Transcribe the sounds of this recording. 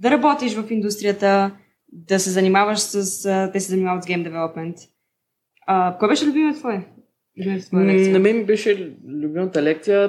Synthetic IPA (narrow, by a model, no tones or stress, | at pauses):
d̪ɐɾɐbɔt̪iʃvɐfind̪ust̪ɾijət̪ə | d̪ɐsɛzɐnimavəʃsəsət̪ɛsɛzɐnimavət̪zɡɛjmd̪ɛvɛlˠopmɛnt̪ | əkɔjbɛʃɛlʲubimɛt̪vɔɛ | lʲubimɛt̪t̪vɔnɐmɛmibɛʃɛlʲubimət̪əlɛk̚t̪sijə